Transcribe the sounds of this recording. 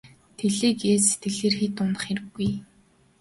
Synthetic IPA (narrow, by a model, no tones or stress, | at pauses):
t̪ʰeɮeːkeːse̥t̪ɡɘ̆ɮeːrxiːt̪ʊnə̆χeɾɘ̆ɡːuj